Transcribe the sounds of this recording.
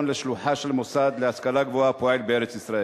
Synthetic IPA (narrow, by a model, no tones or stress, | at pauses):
nleʃluħaʃelmosad̪leaskalaɡvoapoe̞lbeeʁet͡sisʁae